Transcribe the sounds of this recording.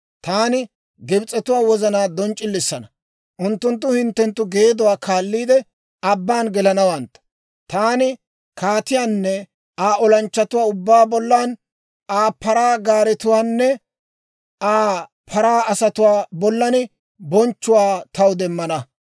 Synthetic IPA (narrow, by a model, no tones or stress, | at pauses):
t̪aːnɪ | ɡɪbt͡sʼːɛt̪ʊwaːwɔzɐnaːd̪ɔnt͡ʃʼːɪlːɪsːɐnɐ | ʔʊnt̪ːʊnt̪̬ːʊhɪnt̪ːɛnt̪ːʊɡe̞ːd̪ɔwaːkʰaːlːiːd̪ɛ | ɐbːaːnɡɛlɐnɐwɐnt̪ːɐ̥ | t̪aːnɪ | kaːt̪ɪjaːnːɛ | aːʔɔlɐnt͡ʃːɐt̪ʊwaːʊbːaːbɔlːaːn | aːpɐɾaːɡaːɾɛt̪ʊwaːnːɛ | aː | pʰɐɾaːɐsɐt̪ʊwaːbɔlːɐnɪ | bɔnt͡ʃːʊwaːt̪ɐwd̪ɛmːɐnɐ